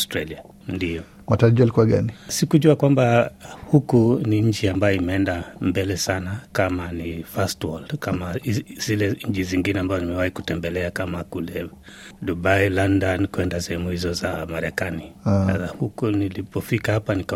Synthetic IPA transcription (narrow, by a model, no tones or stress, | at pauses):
astɾalia | ndiɔ | mataɾaʄualikuwaɠanisikuʄuakwambahukuniɲ̩t͡ʃiambajɔimɛɛndambɛlɛsanakamanifastwɔldkamaz̥ilɛɲ̩t͡ʃiziŋɡinɛambazɔnimɛwahiku̥tɛmbɛlɛakamakulɛdubailandankuɛndasɛhɛmuhizɔzamaɾɛkaniaahukunilipɔfikahapanika